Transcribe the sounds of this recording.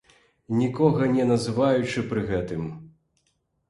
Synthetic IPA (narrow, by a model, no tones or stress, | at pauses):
nʲikɔɣɐnʲɛnɐzɨvajut͡ʂɨpɾɨɣɛt̪ɨm